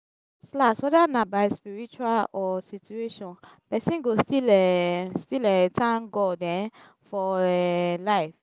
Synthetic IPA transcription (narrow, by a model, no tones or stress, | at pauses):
slaswɛdanabaɪspiɹit͡ʃualɔsitueʃɔ̃npɛsĩnɡostilɛstilɛtʰãnɡɔdɛ̃n | fɔɛlaɪf